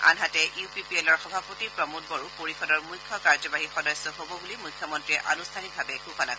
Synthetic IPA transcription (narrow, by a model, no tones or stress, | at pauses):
a̰nɦatɛʔjupipiɛlɔɹxɔbʱapotipɹɔmot̚bɔɹupoɹikʰɔdɔɹmujkʰjɔkaɹzɔbaɦixɔdɔjsɔɦobɔbulimujkʰːjɔmɔntɹiɛʔanustʰanibʱabɛkuxɔnaɡ